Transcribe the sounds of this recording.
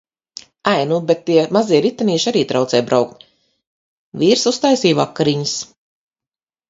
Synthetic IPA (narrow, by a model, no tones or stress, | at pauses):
ajnubet̪ːiɛmaziɛɾit̪ːaniːʃaɾiːt̪ɾawt̪sɛjbɾawk̚t̪ | viːɾsust̪aːjsiːvakːaɾiɲis